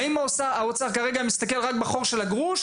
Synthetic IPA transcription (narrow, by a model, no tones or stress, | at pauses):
imaosaaot͡saʁkaʁeɡamist̪ake̞lʁakbaχo̞ʁʃe̞laɡʁuʃ